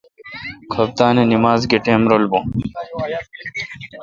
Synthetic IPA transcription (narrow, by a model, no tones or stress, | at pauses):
kʰɐb̚t̪aːnenimaːzɡeʈeːmɾolbo